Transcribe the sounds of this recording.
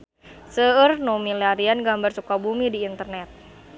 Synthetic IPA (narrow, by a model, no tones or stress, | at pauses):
səərnomilaɾianɡambart͡ʃukabumidiːnt̪ərnɛt̪̚